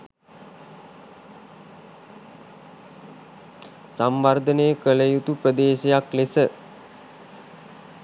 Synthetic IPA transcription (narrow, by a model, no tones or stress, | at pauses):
samʋard̪ənejəkələjut̪uprəd̪eːsejaklesə